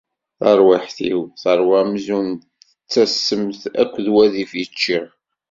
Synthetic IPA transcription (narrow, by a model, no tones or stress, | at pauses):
θɑɾˤwaħθiwθəɾˤwamzun | ət͡sːæsːəmθæ̰kʷːðwæðifjət͡ʃːi